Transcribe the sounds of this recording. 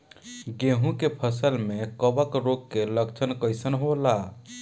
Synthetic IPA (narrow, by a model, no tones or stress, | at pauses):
ɡeɦũkepʰəsəlmekəbəkɾoɡkeləkt͡ʃʰənkəjsənɦola